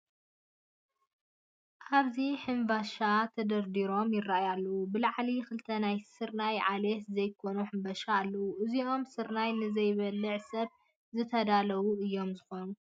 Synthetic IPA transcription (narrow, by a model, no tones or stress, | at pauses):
ʔaβziħɨnvaʃat̪ʰɐd̪ɐɾd̪iɾo̞mjɪrajalːɐwubɨlaʕlikɨlt̪ʰɐnajsɨɾnajʕalet̪zɐjkʰo̞nuħɨmbɐʃaːlːɐwuʔɨziʔo̞msɨɾnajnɨzɐjβɐlːɨʕsɐβ | zɨt̪ʰɐd̪alɐβuɨjːo̞mzɨxo̞nu